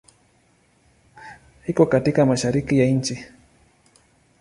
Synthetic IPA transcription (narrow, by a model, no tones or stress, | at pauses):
hikɔkatikamaʃaɾikijaint͡ʃi